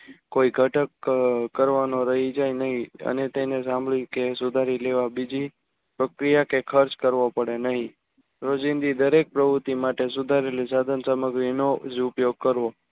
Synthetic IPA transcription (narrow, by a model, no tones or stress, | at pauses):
koiɡʱəʈəkkəɾʋanoɾəɦid͡ʒajnəɦĩə̰net̪ẽnes̬ãmbɭikesʊd̪ʱaɾileʋabid͡ʒi | pɾəkɾijakekʰəɾt͡ʃkəɾʋopəɽenəɦĩ | ɾod͡ʒind̪id̪əɾek̚pɾəbut̪imaʈesʊd̪ʱaɾelis̬ad̪ʱənsəməɡɾinod͡ʒupjoɡ̚kəɾʋo